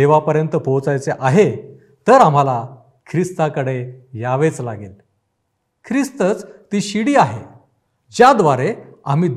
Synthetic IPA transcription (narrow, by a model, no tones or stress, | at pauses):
eʋapəɾjənt̪əpowt͡sajt͡seʔaɦe | t̪əɾam̤ala | kʰɾist̪akəɽejaʋet͡slaɡel | kʰɾist̪ət͡st̪iːɕiɽiːaɦḛ | d͡ʑjad̪ʋaɾeam̤iːd̪